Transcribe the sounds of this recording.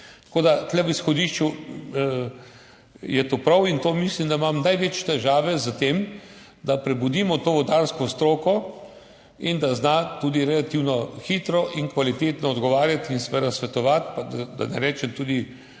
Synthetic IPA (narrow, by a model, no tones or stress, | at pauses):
t̪koːd̪at̪lɛʋisxɔd̪iʃt͡ʃu | jɛt̪oːpɾawint̪oːmislimd̪aimamnajʋet͡ʃt̪ɛʒaːʋɛzat̪em | d̪apɾɛbud̪iːmɔt̪oːʋɔd̪aɾskɔst̪ɾoːkɔ | ind̪aznat̪uːd̪iɾɛlat̪iwnɔxit̪ɾɔʔiŋkʋalit̪eːt̪nɔɔd̪ɡɔʋaːɾjat̪insɛʋed̪asʋɛt̪ɔʋat̪pad̪ad̪a̰nɛ̰ɾɛːt͡ʃɛmt̪uːd̪i